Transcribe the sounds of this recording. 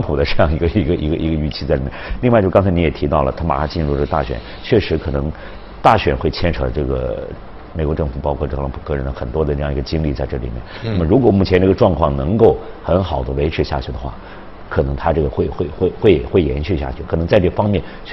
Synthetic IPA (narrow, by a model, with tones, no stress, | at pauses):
ŋpʰu˨˩d̪ə˦ʈ͡ʂɤ˥˧jɑ˥˩ŋi˧˥ɡə˧i˧˥ɡə˧ʔi˧˥ɡə˧ʔi˧˥ɡə˧y˥˩t͡ɕʰi˥˧t͡sa˥ɪli˨˩mɛ˥˩˦li˥˧wa˥˩t͡ɕo˥˧˩ɑ˥ŋt͡sʰɪi˧˥jɛ˨˩t̪ʰi˧˥t̪ɑ˥˩ʊlə˩t̪ʰa˥ma̰˨˩kʰa˥t͡ɕi˥˧nɻu˥˧ʈ͡ʂɤ˥˩ɡə˧t̪a˥˩ɕɥɛ̰˨˩˦n | t͡ɕʰɥɛ˥˩ʂɻ̩˧˥kʰɤ˨˩nɤ˧˥ŋ | t̪a˥˩ɕɥɛ˨˩nxwe˥˩ɪt͡ɕʰjɛ˥nʈ͡ʂʰɤ˧˥ʈ͡ʂɤ˥˩ɡə̰˩ | me˨˩ɪkwɔ˧˥ʈ͡ʂɤ˥˩ŋfu˨˩pɑ˥ʊkʰwɔ˥˧t̪ʰɤ˥˧lɑ˧˥ŋpʰu˨˩kɤ˥˧ɻə˧˥nd̪ə˧˩xə˨˩nt̪wɔ˥d̪ə˧ʈ͡ʂɤ˥˧jŋi˧˥ɡə˧t͡ɕi˥ŋli˥˧t͡sa˥˧ɪʈ͡ʂɤ˥˩lḭ˨˩mjɛ̰˥˩nnna˥˩mə˩ɻu˧˥kwɔ˨˩mu˥˩t͡ɕʰjɛ˧˥nʈ͡ʂɤ˥˩ɡə˧ʈ͡ʂwɑ˥˧ŋkʰwɑ˥˩ŋnɤ˧˥ŋko˥˩ʊxə˧˥nxɑ˨˩ʊd̪ə˦we˧˥ɪʈ͡ʂʰɻ̩˧˥ɕja̰˥˩t͡ɕʰy˥˩d̪ə˧˦xwa̰˥˩ | kʰɤ˨˩nɤ˧˥ŋt̪ʰa˥ʈ͡ʂɤ˥˩ɡə˩xwe˥˩ɪ˩xwe˥˩˧ɪxwe˥˧ɪxwe˥˩ɪxwe˥˩jɛ˧˥nɕy˥˧˩ɕja̰˥˩t͡ɕʰy˥˩kʰɤ˨˩ɤ˧˥ŋt͡sa˥˧ɪʈ͡ʂɤ˥˩ə˩fɑ˥ŋmjɛ˥˩nt͡ɕʰ